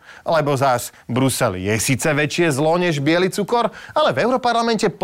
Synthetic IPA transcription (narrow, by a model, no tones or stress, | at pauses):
ʔalɛbɔzasbɾusɛ̰lḭjɛsiːt͡sɛʋɛt͡ʃɪɛzlɔɲɛʒbɪɛlit͡sukɔɾalɛvɛʊɾɔpaɾlamɛncɛp